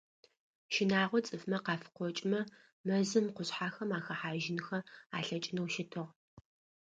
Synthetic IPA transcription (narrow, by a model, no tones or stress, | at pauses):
ʃɪnaːʁʷɔt͡sʼɨfmɐqɑːfqʷɔt͡ʃʼmɐ | mɐzɨmqʷʊɕħaːxɐmaːxɐħaːʒɪnxɐa̰ːɬɐt͡ʃʼɪnɐwʃɪtʰɨʁ